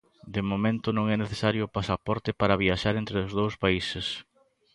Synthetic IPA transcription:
d̪emomẽnt̪ʊnõŋɛneθesaɾjoːpasapɔɾt̪ɪpaɾɐβiaʃaɾent̪ɾeʊzð̞owspaisɪs

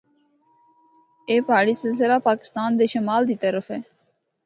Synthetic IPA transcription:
eːpaːɽiːsɪls̬ɪlaːpaːkɪ̥st̪aːnd̪eːʃəmaːld̪iːt̪əɾəfɦɛː

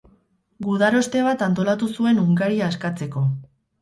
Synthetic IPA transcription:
ɡuðaɾo̞st̪e̞βat̪ant̪o̞lat̪usue̞nuŋɡaɾiaːskat͡se̞ko̞

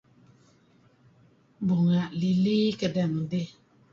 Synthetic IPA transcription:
buŋaliliːkədɛn̩de

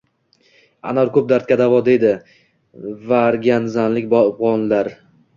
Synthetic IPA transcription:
a̰nɒɾkʰɵp̚d̪aɾt̪̚kʲad̪avɒd̪e̞d̪ɪ | vaɾɡʲanzanlɪkʲbbʁɒnlaɾ

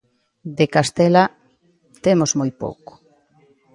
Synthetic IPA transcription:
d̪ekast̪ela | t̪emozmojpo̰wko̥

